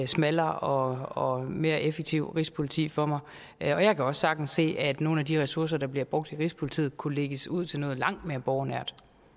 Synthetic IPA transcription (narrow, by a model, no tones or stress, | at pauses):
smælɐːʔɒ̽ɒ̽me̝ːɐʔefeɡ̥̚t͡sʰiʊ̰ʁispʰo̝lit͡sʰḭːfɒmɑ̈ɪ | ɒ̽jɑ̈ɪkʰæɒ̽ssɑ̈ɡ̥d̥n̩sːe̝̰ːæd̥no̝ːn̩æd̥iʁɛsuɐs̬ɐd̥ɑ̈b̥liɐb̥ʁɔ̽ɡ̥̚d̥iʁispʰo̝lit͡sʰḭːð̩ˠkʰule̝ɡ̥əsuð̞̰ˠt͡sʰe̝lnɔ̽ːð̞̩ˠlɑ̈ŋ̰d̥me̝ːɐb̥ɒʊnæɐ̰d̥